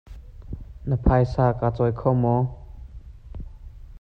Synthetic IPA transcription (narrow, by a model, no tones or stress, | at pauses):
nəpʰajsaːkaːt͡sɔjkʰɔmɔ